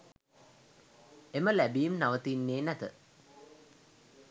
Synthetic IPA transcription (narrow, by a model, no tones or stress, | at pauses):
eməlæbijːmnaʋət̪inːeːnæt̪ə